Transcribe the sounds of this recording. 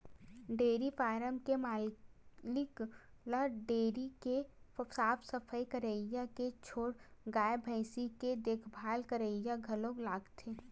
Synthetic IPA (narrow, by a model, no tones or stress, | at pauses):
ɖeːɾifaːɾəmkemaːlɪk | ləɖeːɾikesaːpʰsəpʰəjkəɾəjaket͡ʃʰoːɽɡaːjbʱə̃ɪsiked̪eːkʰbʱaːlkəɾəɪjaɡʱəlõːɡlaːɡt̪ʰeː